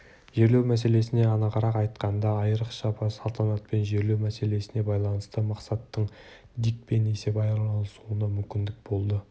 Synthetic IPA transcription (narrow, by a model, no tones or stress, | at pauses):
ʒe̞ɾle̞wmæse̞le̞sɪne̞ɑnɑʁɑɾɑqɑjt̪qɑnd̪ɑːjəɾəqʃɑpʰɑsɑlˠt̪ʰɑnɑt̪̚pe̞nʒe̞ɾle̞wmæse̞le̞sɪne̞bɑjlˠɑnəst̪əmɑqsɑt̪ːəɴ | d̪ik̚pe̞nese̞bɑjˠɑnəsuənɑmʏmkʲɪnd̪ɪk̚bo̞lˠd̪ə